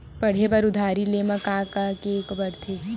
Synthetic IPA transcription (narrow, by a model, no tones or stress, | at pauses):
pɐɽ̤ebɐɾʊd̪ʱaːɾileːmɐkaːkakekbɐɾt̪ʰeː